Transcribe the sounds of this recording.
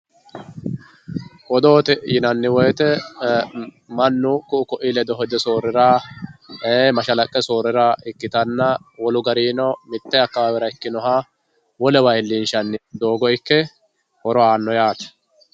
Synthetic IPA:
wɔd̪o̞ːt̪ɛjɪnɐnːɪwɔjt̪ɛ | mɐnːʊkʊʔʊkɔʔilɛd̪ɔɦɔd̪ɛsoːɾɪɾaː | emɐʃɐlɐkʼːɛsoːɾɪɾaɪkːɪt̪ɐnːɐwɔlʊɡɐɾiːnɔmɪt̪ːɛɐkːɐwaːwɛɾɐɪkːɪnɔɦaː | wɔlɛwɐjlːinʃɐnːɪd̪o̞ːɡɔɪkːɛ | hɔɾɔaːnːɔjaːt̪ɐ̥

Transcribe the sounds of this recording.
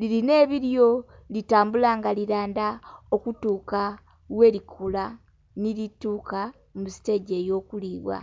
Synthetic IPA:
liline̞ːβiɾjo̞ | litaːmbulaːŋɡaliɾaːndaokutuːka | we̞ːlikʰula | nilituːka | musi̥te̞ɟe̞ːjo̞ːkuliːβwa̰

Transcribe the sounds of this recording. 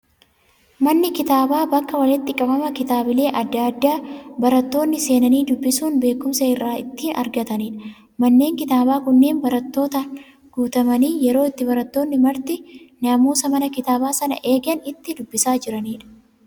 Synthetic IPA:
mɐnːɪkɪt̪aːbaːbɐkːɐwɐlɪt̪ːɪkʼɐbɐmɐkɪt̪aːbɪle̞ːʔɐd̪ːaɐd̪ːaːbɐɾɐt̪ːo̞ːnːɪse̞ːnɐniːd̪ʊbːɪsuːnbe̞ːkːʊmsɐɪrːaːɪ̰t̪ːiːnʔɐ̰ɾɡɐt̪ɐniːᶑɐ | mɐnːe̞ːŋkɪt̪aːbaːkʊnːe̞ːnbɐɾɐt̪ːo̞ːt̪an | ɡ̥uːt̪ɐmɐniːjɛɾo̞ːɪt̪ːɪbɐɾɐt̪ːo̞ːnːɪmɐɾt̪ɪnɐmuːsɐmɐnɐkɪt̪aːbaːsɐnɐ̰ʔe̞ːɡɐnɪt̪ːɪd̪ʊbːɪsaːd͡ʒɪɾɐniːᶑɐ̥

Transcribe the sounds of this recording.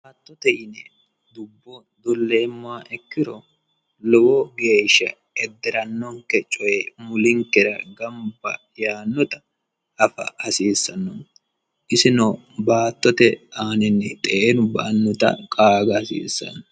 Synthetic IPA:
baːt̪ːɔt̪ɛjɪnɛ | d̪ʊbːɔ | d̪ɔlːeːmːʊaʔɛkːɪɾɔ | lɔwɔɡe̞ːʃːɐ̰ | ɛd̪ːɪɾɐnːɔŋkɛt͡ʃʼɔjɛmʊlɪŋkɛɾɐɡɐmbɐ | jaːnːɔt̪ɐ | ʔɐfɐ̰hɐsiːsːɐnːɔn | ʔɪsɪnɔ | baːt̪ːɔt̪ɛaːnɪnːɛt̪ʼɛʔenʊbɐʔɐnːɔt̪ɐ̰kʼaːɡɐhɐsḭːsːɐ̰nːɔ

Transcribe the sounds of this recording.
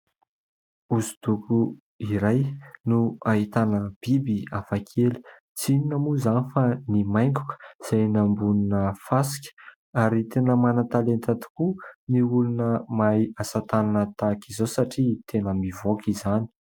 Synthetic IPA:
uzud̪uku | iɾajnuaɦit̪anəb̥ibiafakʰeli̥ | t͡sininamuzanifanimajŋku̥kə̥z̥ajnambuninəfasi̥kʲə̥ | aɾit̪enəmanət̪alent̪at̪i̥kuniulunəmajasat̪ananət̪akizowsaʈ͡ʂit̪ʰenəmivokʰizani̥

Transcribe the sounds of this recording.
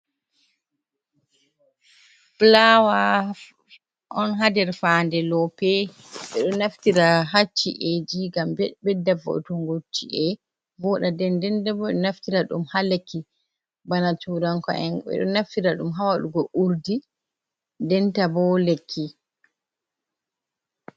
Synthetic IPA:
flawa | ʔɔnɦadɛɾfandɛlɔpɛ | ɓɛɗɔnaftiɾaɦat͡ʃːiʔɛd͡ʒiɡambɛdːavɔ̰tɔŋɡotːiʔɛ | bɔɗadɛndɛndɛbɔɗɔnaftiɾaɗṵmhalekːi | banatuɾaŋkɔ̰ɛnɛ̰ɗɔ̰naftiɾaɗṵmɦawaɗuɡɔʔuɾdi | dɛntabɔlekʰːi

